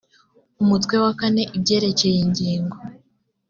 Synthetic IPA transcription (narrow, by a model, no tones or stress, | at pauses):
umutwe̞wakane̞ʔib̚ɟe̞ːɾe̞ce̞jeɲɟiːŋɡo